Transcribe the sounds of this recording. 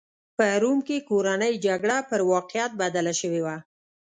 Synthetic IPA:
pəɾumkekoɾanəjd͡ʒaɡɽapəɾwɑqɪjat̪̚bad̪alaʃəwewa

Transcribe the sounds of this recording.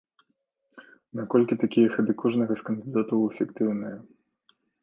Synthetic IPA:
nakɔlʲkʲit̪akʲijɛxɐd̪ɨkʰɔʐnɐɣɐskɐnd̪ɨd̪at̪ɐwɛfʲikt̪ɨwnɨjɐ

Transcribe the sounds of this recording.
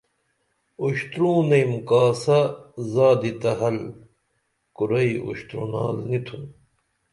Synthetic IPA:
uɕt̪ɾũːnɐjmkaːsɐzaːd̪it̪ɐɦɐl | kuɾɐiṵɕt̪ɾṵna̰ːlnit̪ʰun

